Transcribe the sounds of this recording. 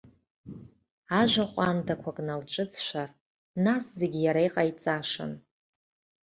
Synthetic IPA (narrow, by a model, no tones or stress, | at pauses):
aʒʷaχʷʼandakʷʰakʼnalt͡ʃʼɨt͡sʰʃʷar | nasze̞ɡʲijaɾaiqʼait͡sʼaʂɨ̰n